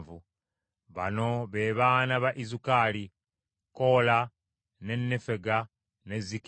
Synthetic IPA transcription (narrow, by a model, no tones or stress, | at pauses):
vu | βa̰no̞βe̞βaːnaβaʔizukaːli | ko̞la | ne̞nːefe̞ɡa | ne̞zik